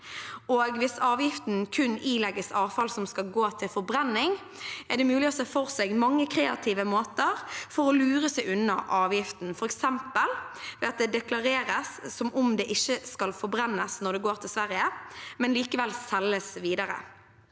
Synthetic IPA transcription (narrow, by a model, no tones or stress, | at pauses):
oːɡʋɪsɑːʋjɪft̪nkʰʉniːlɛɡəsɑːʋfɑlsɔmskɑlɡoːt̪ʰɪlfɔɾbɾɛnːɪŋ | ɛʁɖ̪ɛmʉːlɪɔsɛːfɔʁsɛɡmɑŋːəkʰɾeːɑ̰t̪ʰiːʋəmoːt̪əɾfɔɾɔlʉːɾəsɛɪʔʉnːəʔɑːʋjɪft̪n̩fɔɾɛksɛmpəlʋeːɑt̪̚d̪ɛd̪ɛklɑɾeːɾəsːɔmʔɔmd̪ɛʔɪçːəskɑlfɔɾbʁɛnːəsnɔd̪ɛɡoːɾt̪ʰɪlsʋæɾjəmɛnliːkəʋɛlsɛlːəsʋiːd̪ɑɾə̰